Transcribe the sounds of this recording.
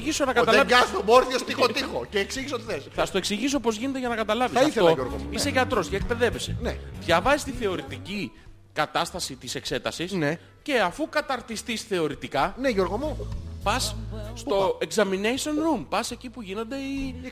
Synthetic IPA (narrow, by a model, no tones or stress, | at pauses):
ʝiso̞nɐkɐt̪ɐlɐɐst̪omoɾθiost̪ixot̪ixoceːksiʝisot̪iθesθɐst̪oe̞ksiʝis̬o̞po̞zʝine̞t̪eʝɐnɐkɐt̪ɐlɐvisɐɐiθfθet̪olɐʝoɾɣo̰iseʝɐt̪ɾo̞sceːk̚pe̞ðe̞vesḛnepçɐvɐist̪iθe̞o̞ɾit̪ici | kɐt̪ɐst̪ɐsit̪ise̞kse̞t̪ɐsisne | ce̞ɐfukɐt̪ɐɾt̪ist̪isθe̞o̞ɾit̪ikɐneʝo̞ɾɣomopɐsst̪o̞ekzɐminejsionɾumpɐse̞cipuʝino̞nd̪e̞i